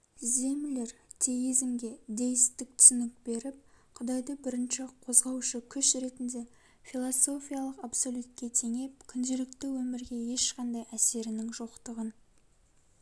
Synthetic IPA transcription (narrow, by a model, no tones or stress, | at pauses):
ze̞mɪleɾt̪ʰe̞izɪmɡʲe̞d̪e̞jɪst̪ɪk̚t̪ʰʏ̥sɪnɪk̚be̞ɾɪp̚qʰʊd̪ɑjd̪əbɪɾɪnʃɪqʰo̞zʁɑwʃəkʲʰʏʃɾe̞t̪ɪnd̪e̞ | fʲilˠoso̞fʲijalˠəqapso̞lʲut̪̚kʲe̞t̪ʰe̞ŋe̞p̚kʲʰʏnd̪ɪlɪk̚t̪ɪwɵmɪɾɡʲe̞je̞ʃqɑnd̪ɑjæse̞ɾɪnɪŋʒoqt̪əʁən